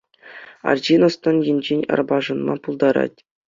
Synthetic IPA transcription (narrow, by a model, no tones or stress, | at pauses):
ɑ̰rd͡ʑinost̪ŏnjinʲd͡ʑenʲɑ̰rbɑʐɤ̆nmɑ̰pulˠd̪ɑɾɑ̰tʲ